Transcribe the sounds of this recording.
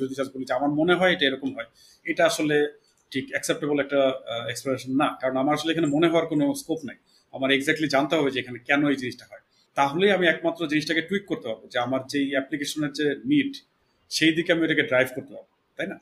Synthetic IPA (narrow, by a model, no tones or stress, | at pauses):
od̪iʃad͡ʑbolid͡ʑeamaɾmoneɦɔeejʈaeɾɔkomɦɔe | ejʈaaʃole | ʈʰikɛksep̚ʈebolɛk̚ʈaekspleneʃonːakaɾonamaɾaʃoleekʰanemoneɦɔoaɾkonoskopnaj | amaɾeɡzɛk̚ʈlid͡ʑant̪eɦɔbed͡ʑeekʰanekɛnoejd͡ʑiniʃʈaɦɔe | t̪aɦolejamiɛkmat̪ːɾod͡ʑiniʃʈakeʈwik̚kːoɾt̪epabod͡ʑeamaɾd͡ʑejɛplikeʃoneɾd͡ʑeniʈ | ʃejd̪ikeamioʈakeɖɾajbʱkoɾt̪epabo | t̪ajna